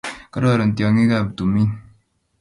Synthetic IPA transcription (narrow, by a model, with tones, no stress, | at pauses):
ka˦a˦˨ɾɔ˨n̩˨tjɔ˨ŋi˦ka˦˨btu˨mi˦n